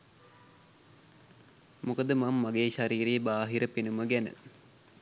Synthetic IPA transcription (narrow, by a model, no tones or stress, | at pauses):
mukəd̪əmamːaɡeːʃaɾiːɾeəbaːɦiɾəpinuməɡænə̰